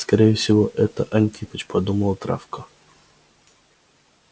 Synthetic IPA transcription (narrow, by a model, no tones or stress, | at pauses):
skɐɾʲejɪfsʲɪvoʔɛt̪əʔɐnʲt̪ʲipət͡ɕpɐd̪uməlˠt̪ɾʔa̰fkə